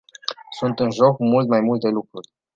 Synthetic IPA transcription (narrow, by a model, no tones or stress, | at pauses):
sunt̪ɨnʒo̞kmult̪majmult̪e̞lukɾurʲ